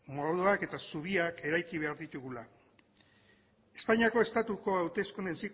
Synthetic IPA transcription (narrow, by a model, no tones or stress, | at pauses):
moɾðoake̞t̪asuβ̞iake̞ɾajkiβ̞e̞aɾðit̪uɣula | e̞spaɲiako̞e̞st̪at̪uko̞awt̪e̞skune̞nsik